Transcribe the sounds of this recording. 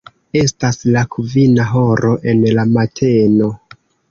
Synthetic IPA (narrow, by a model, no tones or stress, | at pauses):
e̞staslakʰuvinaɦo̞ɾʔo̞ʔe̞nlamatʰe̞no̞